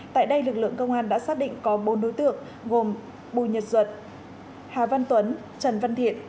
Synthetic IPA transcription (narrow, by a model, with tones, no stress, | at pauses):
t̪a̰ː˧˨jɗə˧jlɨ˨˩k̚lɨ̰˧˨əŋkə˧wŋ͡mʔaː˧nɗa̰ː˧˥saː˦˥k̚ɗḭ˧˨ŋkɔ˨˦ɓo˨˦nɗo˨˦jt̪ɨ̰˧˨əŋ | ɣo˨˩m | ɓṵ˧˨ɲə˨˩t̚zwə˨˩t̚ | haː˨˩və˧nt̪wə˨˦n | t͡ɕə˨˩nva˧nt̪ʰḭ˧˨ən